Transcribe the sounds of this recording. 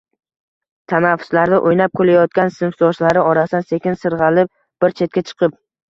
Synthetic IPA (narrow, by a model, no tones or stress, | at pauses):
t̪ʰanafːʊ̥slaɾd̪ɪʔojnap̚kʰolajɒt̪̚kʲansɪnfsɒʃlaɾɪɒɾasd̪anse̞kʲɪnsɨɾʁɑlɪp̚ | b̥ɪɾt͡ʃʰe̞t̪̚kʲat͡ʃʰɨ̥qʰɨp̚